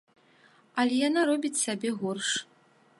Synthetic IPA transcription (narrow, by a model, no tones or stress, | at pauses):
ɐlʲɛjanaɾɔbʲit͡sʲsʲabʲɛɣɔrʂ